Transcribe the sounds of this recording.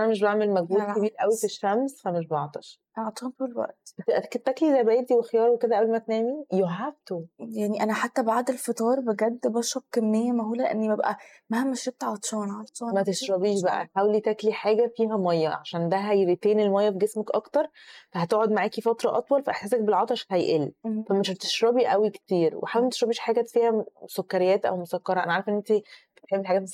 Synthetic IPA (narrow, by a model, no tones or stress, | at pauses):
ʔænæmeʃ̬beʕmelmæɡbuːkebiːlʔæwifeʃːæmsfæmeʃbɑt̪ˤɑʃ | ʕɑt̪ˤʃɑːnt̪uːlwæ̰ʔt̪ˤt̪eʔ̪æket̪ːæklizæjbæʔed̪iwexjɑːɾˤweked̪æʔæblmæt̪næːmijoɦæft̪ojaʕniʔænæħat̪ːæbaʕd̪elfet̪ˤɑːɾˤbeɡæd̪ːbɑʃɾˤɑb̥̚kæmːejːæmæɦuːlæʔḛnːibæbʔæ̰ | mæhæmːæʃeb̚t̪ʕɑt̪ˤʃɑːnʕɑt̪ˤʃɑːmæt̪eʃɾˤɑbiːʃbæʔæ̰ħaːwlit̪ækliħaːɡæfiːɦæmɑjːɑʕaʃæːnd̪æɦæjɾit̪eːnelmɑjːɑbeɡesmækʔɑkt̪ɑɾˤfæhæt̪oʕod̪maʕaːkifɑt̪ɾˤɑʔɑt̪ˤwɑlfæʔeħseːs̬æk̚belʕɑt̪ˤɑʃhæjʔelːfæmeʃæbt̪e̥ʃɾɑbiʔæwikt̪iːɾwʔḛħawlimæt̪eʃɾɑbiːʃħaːɡæfiːhæsokːæɾejːæːt̪ʔæ̰wmosækːɑɾˤɑʔæ̰næʕaɾefʔenːʔent̪ibet̪ħebːdiħaɡæt̪